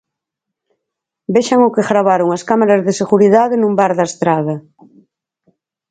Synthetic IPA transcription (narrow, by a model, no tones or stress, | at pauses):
beʃaŋʊkeɣɾaβaɾoŋaskamaɾazðeseɣuɾiðaðenũmbaɾðaest̪ɾaðɐ